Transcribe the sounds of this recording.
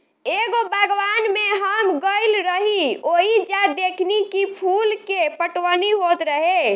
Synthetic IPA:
eɡobʱəɡʋanmeɦəmɡəɪlɾəɦioɦid͡ʒad̪ekʰnikipʰulkepəʈwəniɦot̪ɾəɦe

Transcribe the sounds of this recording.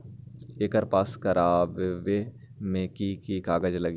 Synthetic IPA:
eːkəɾpaːskəɾaːbʋe | mẽkikikaːɡəd͡ʒləɡi

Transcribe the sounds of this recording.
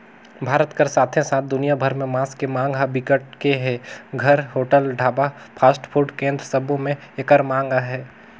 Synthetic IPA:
bʱaːɾət̪kəɾsaːt̪ʰẽsaːt̪̚ʰd̪ʊnijabʱɐɾmẽmãːskemãːŋɡabɪkəʈ̚keɦɛːɡʱɐɾɦoːʈəlɖʱaːba | pʰaːsʈpʰuːɾɖkẽːnd̪ɾəsɐbʱõmẽekəɾmãːŋɡaɦɛː

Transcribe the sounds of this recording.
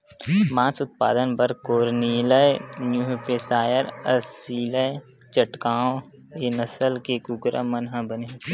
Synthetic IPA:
mãːsʊt̪̚pa̰ːd̪ənpəɾkoːɾniːlənjuɦpeːsaːjəɾəsiːləj | t͡ʃəʈkaːõ | enɐsəlkekʊɡɾa̰mɐnɦãbənee

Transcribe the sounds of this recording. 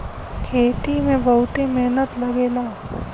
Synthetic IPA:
kʰeːt̪imẽbɐɦʊt̪emeɦnət̪lɐɡeːlaː

